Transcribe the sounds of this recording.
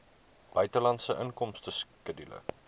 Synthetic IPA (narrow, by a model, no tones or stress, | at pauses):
b̥œɥtəlɐntsəʔəŋkɔmstəskədilə̰